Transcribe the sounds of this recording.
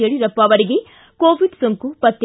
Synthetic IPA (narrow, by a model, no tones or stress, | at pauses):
eːɭiɾɐpːɐʋɐɾiɡe | koːʋiɖsoŋkupɐt̪ːe